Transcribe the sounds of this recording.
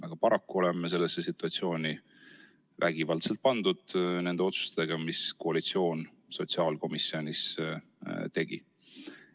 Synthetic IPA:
ʔɑɡ̥ɑpɑɾɑkːuo̞lemːes̬e̞lːesːesit̪ːˑuɑt̪sio̞ːnʲi | væɡ̥ivɑlt̪se̞lt̪̚pɑnd̪̥ud̪̥ne̞nd̪e̞o̞t̪su̥st̪eɡ̥ɑmiskoɑlit̪sio̞ːn | so̞t̪siɑːlko̞misːio̞nʲis | t̪e̞ɡ̥ḭ

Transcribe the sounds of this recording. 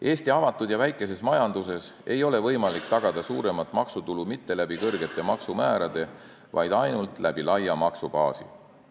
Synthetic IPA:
ʔe̞ːst̪iɑvɑt̪ːˑud̪jɑvæjkːˑe̞se̞smɑjɑnd̪̥use̞se̞jo̞le̞vɤjmɑlik̚t̪ɑɡ̥ɑd̪̥ɑsuːɾe̞mɑt̪ːˑmɑksut̪ulumit̪ːe̞læb̥ikɤrɡe̞t̪ːˑe̞mɑksumæːɾɑd̪̥e̞ | vɑ̰jd̪̥ɑjnult̪ˑlæb̥ilɑjɑmɑksupɑ̰ːsḭ

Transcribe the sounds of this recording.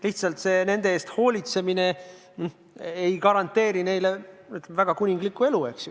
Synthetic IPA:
liht̪sɑlt̪se̞ːne̞nd̪̥e̞eːst̪ho̞ːlʲit̪se̞mine̞ | ejkɑɾɑnt̪ːˑe̞ːɾine̞jle̞yt̪lemvæɡ̥ɑkunʲiŋɡ̥likːˑue̞lue̞ksj

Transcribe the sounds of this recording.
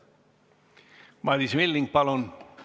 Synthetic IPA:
mɑd̪ismilːiŋɡ̚pɑlon

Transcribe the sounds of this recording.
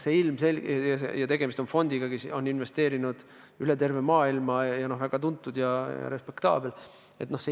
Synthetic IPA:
seilmse̞lʲjɑsḛjɑt̪e̞ɡe̞mist̪onfo̞nd̪̥iɡ̥ɑkiso̞nːinve̞st̪e̞ːɾinud̪̥ | yle̞t̪e̞rve̞mɑːilmɑjɑno̞hvæɡ̥ɑt̪unt̪ːˑud̪̥jɑjɑ̰ɾe̞spe̞kt̪ɑ̰ːbe̞l | et̪ːno̞hse

